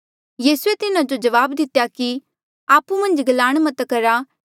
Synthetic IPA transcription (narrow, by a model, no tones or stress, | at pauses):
jiːsuet̪ɪnad͡ʒod͡ʒɐʋaːbd̪ɪt̪jaki | aːpumɐ̃nd͡ʒɡɐlaːɽ̃mɐt̪kɐɾa